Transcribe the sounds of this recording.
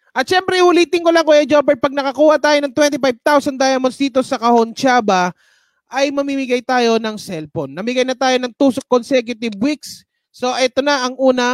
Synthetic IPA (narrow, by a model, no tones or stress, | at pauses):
ʔɐt̪̚ʃɛmpɾɛhʊliːt̪ɪŋkolɐŋkojɐd͡ʒopɛɹ̚pɐɡ̚nɐkɐkuːhɐt̪aːjonɐŋt̪wɛnt̪ɪpajb̚t̪awsɐnd̪ajɐmonsd̪iːt̪o̞sɐkɐhont͡ʃaːbɐ | ʔɐjmɐmimɪɡajt̪aːjo̞nɐŋsɛlponːɐmɪɡɐjnɐt̪aːjo̞nɐŋt̪uːskonsɛkjʊt̪ɪbwiksː | o̞ʔɛːt̪o̞nɐʔɐŋʔuːnɐ